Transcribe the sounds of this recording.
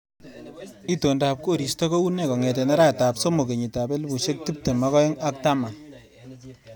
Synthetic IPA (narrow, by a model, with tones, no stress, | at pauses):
i˦to˨nda˨p̚ko˦ɾi˨stɔ˦ko˦u˦ne˦kɔ˨ŋɛ˨tɛ˨na˦ɾa˦˨ta˨pso˦mo˨ke˨ɲi˨ta˨be˦lbu˨ʃe˦k̚ti˦p̚te˨ma˦kɔ˦ɪ˦ŋa˦k̚ta˦ma˨